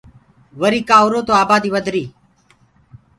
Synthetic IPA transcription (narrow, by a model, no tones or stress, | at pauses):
ʋəɾiːkaːoːɾoːt̪oːaːbaːd̪iːʋəd̪ʱɾiː